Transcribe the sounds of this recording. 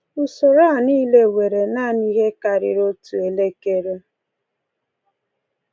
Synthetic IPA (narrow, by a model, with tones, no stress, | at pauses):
u˨so˨ɾa˦˨niː˦le˦we˨ɾe˨na˦˨ni˦ɦe˦ka˨ɾɪ̰˨ɾo˦tu˨e˨le˦ke˦ɾo˦